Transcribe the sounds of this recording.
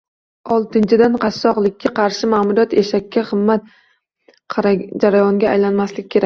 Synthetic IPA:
ɒlˠt̪ɪnt͡ʃʰɪd̪anqʰɑsːɒqlˠɪkʲʰːaqʰɑɾʃɪmaːmʊɾijat̪jeʃakʲːaχɨmːat̪̚ʰ | d͡ʒaɾajɒŋɡʲa̰ːjlanmaslɪkʲːkʰʲe̞ɾak̚ʲ

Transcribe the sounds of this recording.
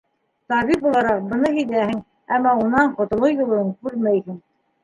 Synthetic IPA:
t̪ɑβip̚bulˠɑɾɑq̚bɤ̆nɤhijd̪æhɘŋ | æ̰mːɑunɑɴqŏt̪ŏlˠojulˠoŋkʉɾmæjhɘŋ

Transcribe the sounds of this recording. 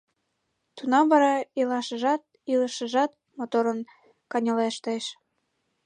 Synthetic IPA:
t̪unɑmvɑɾɑilɑʃəʒɑt̪̚ | iləʃəʒɑt̪̚ | mot̪oɾən | kɑnʲəleʃt̪əʃ

